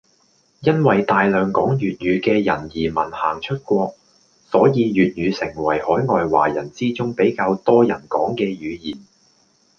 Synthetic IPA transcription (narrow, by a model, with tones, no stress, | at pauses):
jɐ˥nwɐ˨jt̪aː˨jlœː˨˧ŋkɔː˨˥ŋjyː˨t̚ɥyː˨˧kɛː˧jɐ̰˨˩njiː˨˩mɐ˨˩nhaː˨˩ŋt͡ʃʰɵ˥t̚kʷɔː˧k̚ | sɔː˨˥jiː˨˧jɥyː˨t̚jyː˨˧sɪ˨˩ŋwɐ˨˩jhɔː˨˥jŋɔː˧jwa̰ː˨˩jɐ˨˩nt͡siː˥t͡sʊ˥ŋpe˨˥jkaː˧wt̪ɔː˥jɐ˨˩nkɔː˨˥ŋkɛː˧jyː˨˧jiː˨˩n